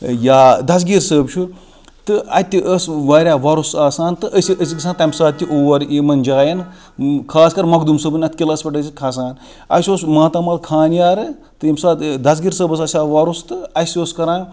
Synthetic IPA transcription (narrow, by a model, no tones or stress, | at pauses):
jaːd̪ɐs̬ɡiɾsəːbt͡ʃʰu | t̪ɨɐt̪ʲːiʔəsʋaːɾʲaːʋɐɾusaːsaːnt̪ɨʔəsʲiʔəsʲikɐs̬ʰãːnt̪ɐmsaːt̪ʲːiʔoːʋɐɾiːmɐnʲd͡ʒaːjɐn | kʰaːskɐɾmɐkd̪umsəbɨnʲɐt̪ʰʲkʲilɐspɐʈɐsikʰɐs̬aːn | ɐ̰sʲoːsmaːt̪ɐmɐlkʰaːnjaːɾɨ | t̪ɨimsaːt̪d̪ɐs̬ɡiɾsəːbɐs̬ɐsʲaːʋɐɾust̪ɨɐsʲoːskɐɾãː